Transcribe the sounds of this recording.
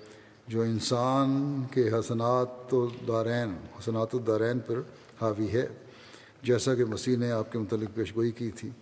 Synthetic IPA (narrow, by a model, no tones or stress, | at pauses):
d͡ʒoːɪnsaːnkeɦɐsənaːt̪od̪aːɾɛːnhɐsənaːt̪od̪aːɾɛːnpɐɾ | haːʋiɦɛː | d͡ʒɛːsakemɐsineaːp̚kemʊt̪əlːɪk̚peːʃɡoːikit̪ʰiː